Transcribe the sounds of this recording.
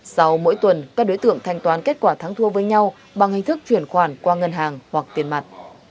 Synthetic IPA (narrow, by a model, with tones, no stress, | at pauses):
sa˧wmo̰˧˥jt̪wə˨˩nkaː˦˥k̚ɗo˨˦jt̪ɨ̰˧˨əŋt̪ʰa˧jŋ̟t̪waː˨˦nke˦˥t̚kwaː˧˩t̪ʰa˨˦ŋt̪ʰu˧əvəː˨˦jɲa˧w | ɓa˨˩ŋhï˨˩ŋ̟t̪ʰɨ˦˥k̚t͡ɕwi˧˩ənxwaː˧˩nkwaː˧ŋə˧nɦaː˨˩ŋhwa˨˩k̚t̪i˨˩ənma˨˩t̚